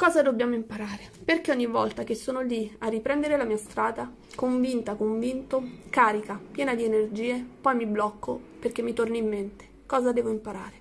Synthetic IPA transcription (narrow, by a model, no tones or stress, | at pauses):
kɔːzad̪objaːmoimpaɾaːɾeperk̟eɔɲːivːɔlt̪ak̟esːoːnoliarːipɾɛnd̪eɾelamiːast̪ɾaːd̪a | koɱvint̪akoɱvint̪okaːɾikapjɛːnad̪ienerd͡ʒiːepɔjmiblɔkːoperk̟emːit̪orniimːent̪e̥ | kɔːzad̪ɛːvoimpaɾa̰ːɾe